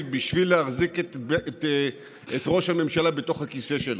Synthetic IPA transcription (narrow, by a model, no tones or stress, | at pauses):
biʃvilːeaʁzikt | etʁo̞ʃhame̞mʃalabe̞to̞χhakiseʃel